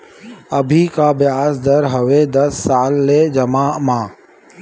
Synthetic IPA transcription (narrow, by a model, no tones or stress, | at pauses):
ɐbʱikabɪjaːsd̪ɐɾɦɐʋed̪ɐsːaːlːed͡ʒɐmaːmãː